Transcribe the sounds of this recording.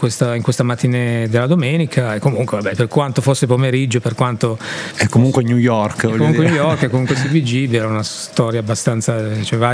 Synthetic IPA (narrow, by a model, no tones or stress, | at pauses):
kwest̪aiŋkwest̪amat̪ːined̪elːad̪omeːnikʰaekːomuŋkʷwevabɛperkwant̪ofosːepomeɾid͡ʒːoperkwant̪oɛkːomuŋkwenjujɔrkkːomuŋkwenjujɔrkɛkːomuŋkwesibid͡ʒiviɛɾaunas | t̪ɔɾjaːbːast̪ant̪sat͡ʃɛva